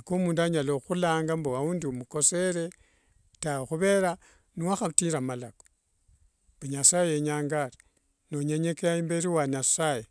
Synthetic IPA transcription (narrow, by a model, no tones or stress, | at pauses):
akomuːnduaɲaloxulaːŋɡamboauːndiumuko̞se̞ɾe̞ | tawxuβe̞ɾa | niwaxatiɾamalako̥ | mbaɲasajejeɲaːŋɡaɾi | noɲeɲekejaimbeɾiwaɲasaje